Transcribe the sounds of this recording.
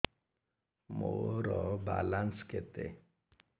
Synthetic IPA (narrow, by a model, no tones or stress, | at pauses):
moɾɔba̰lansket̪ḛ